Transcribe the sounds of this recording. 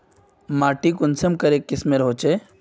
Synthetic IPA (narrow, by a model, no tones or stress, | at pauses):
maːʈikʊnsəmkɐɾekːɪsmeɾɦoːt͡ʃe